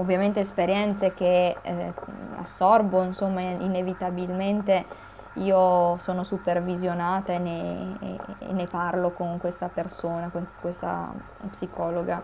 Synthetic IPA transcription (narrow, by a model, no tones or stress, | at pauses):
ovːjament̪eːspeɾjɛnt̪sek̟e | a̰sːɔrboinsomːainevit̪abilment̪e | iːosoːnosupervizjonaːt̪aenḛ | nːeparlokoŋkwest̪apersoːnakoŋkwest̪a̰ | psikɔːloɡa